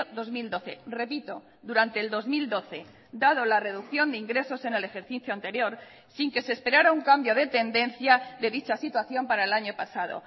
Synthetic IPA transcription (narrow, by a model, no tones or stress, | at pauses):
ðo̞zmild̪o̞θere̞pit̪o̞ | ðuɾant̪eːld̪o̞zmild̪o̞θe̞ | d̪að̞o̞lare̞ð̞ukθjo̞nd̪eiŋɡɾe̞so̞se̞ne̞lexe̞ɾθiθjoant̪e̞ɾjo̞ɾ | siŋke̞sespe̞ɾaɾauŋkambjo̞ð̞e̞t̪e̞nd̪ẽ̞nθjaðe̞ðit͡ʃasit̪waθjo̞mpaɾaelaɲo̞pasað̞o̞̰